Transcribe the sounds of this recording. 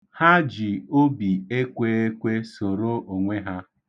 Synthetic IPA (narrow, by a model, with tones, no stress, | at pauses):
ha˦d͡ʒi˨o˦bi˨e˦kʷe˦e˦kʷe˦so˨ɾo˦ʔo˨ŋʷe˦ɦa˦